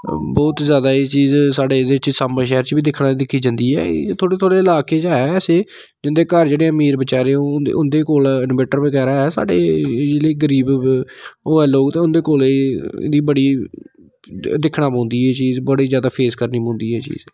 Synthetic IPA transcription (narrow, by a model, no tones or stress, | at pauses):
bɔːt̪zjaːd̪aːeːt͡ʃiːzsaːɖeːd̪eːɪt͡ʃsaməʃɛːɾt͡ʃbiːd̪ɪkʰnaːd̪ɪkʰiːd͡ʒãːnd̪iːɛ̰ːt̪ʰoːɽeːt̪ʰoːɽeːɪlaːkeːd͡ʒaːɦɛːɛːseː | d͡ʒɪnd̪eːkəɾd͡ʒeːɽeːəmiːɾbət͡ʃaːɾeːon̰ːʊnd̪eːkoːlɪnbeːʈəɾbikɛːɾaːɦɛːsa̰ːɖḛːd͡ʒeːɽeːɡəɾiːb | oːɛːloːɡt̪eːʊnd̪eːkoːleḛːd̪iːbəɽiː | d̪ɪkʰɽãːpõːnd̪iːɦɛːt͡ʃiːzbəɽiːzjaːd̪aːpʰeːskəɾniːpõːnd̪iːɛːt͡ʃḭːz